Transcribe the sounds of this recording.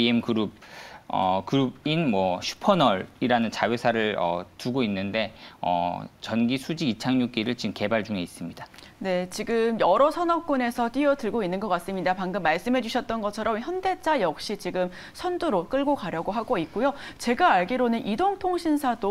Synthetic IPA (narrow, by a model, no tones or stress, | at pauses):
iemɡɯɾub̚ | ʌ̰kɯɾubinmwʌɕʰu̥pʰʌnʌɾiɾanɯnt͡ɕajesʰaɾɯɭʌ̰tuɡoinːɯnde̞ʌ̰t͡ɕʌnɡisʰud͡ʑiɡit͡ɕʰaŋɲuk͈iɾɯɭt͡ɕimke̞baɭd͡ʑuŋe̞is͈ɯmɲid̥a | ne̞t͡ɕiɡɯmjʌɾʌsʰʌnʌk̚k͈une̞sʰʌt͈iʌtɯɭɡoinːɯnɡʌk͈as͈ɯmɲidapaŋɡɯmːaɭs͈ɯmɦe̞d͡ʑuɕʰʌt̚t͈ʌnɡʌt͡ɕʰʌɾʌmçjʌnde̞t͡ɕ͈ʰajʌk̚ɕ͈it͡ɕiɡɯm | sʰʌnduɾok͈ɯɭɡokaɾjʌɡoɦaɡoit̚k͈ojot͡ɕe̞ɡaːɭɡiɾonɯnʔidoŋtʰoŋɕʰinsʰado